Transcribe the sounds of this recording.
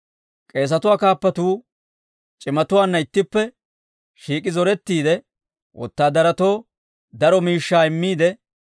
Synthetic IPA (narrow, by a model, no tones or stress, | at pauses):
kʼe̞ːs̬ɐt̪ʊwaːkaːpːɐt̪uː | t͡ʃʼɪmɐt̪ʊwaːnːɐɪt̪ːɪpːɛ | ʃiːkʼɪzɔɾɛt̪ːiːd̪ɛ | wʔɔ̰t̪ːaːd̪ɐɾɐt̪o̞ː | d̪ɐɾɔmiːʃːaːɪmːiːd̪ɛ